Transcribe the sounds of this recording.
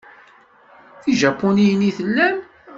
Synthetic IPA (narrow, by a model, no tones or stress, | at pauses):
iʒɑpːoniəniθəlːæm